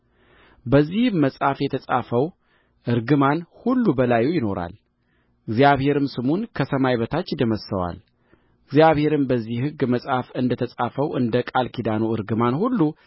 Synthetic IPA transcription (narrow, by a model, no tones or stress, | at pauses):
bəzːihmːəsʼafjɛt̪ʰəsʼafəw | ʔɨɾɡɨmanhulːubəlajujɪno̞ɾa̰l | ɨɡzjaβhe̞ɾɨmsɨmunkʰəsəmajbət̪ʰat͡ʃːd̪əməsəwa̰l | ɨɡzjaβhe̞ɾɨmbəzːihhɨɡːməsʼafɨnd̪ət̪ʰəsʼafəwʔɨnd̪əkʼalkʰid̪anuɨɾɡɨmanhulːu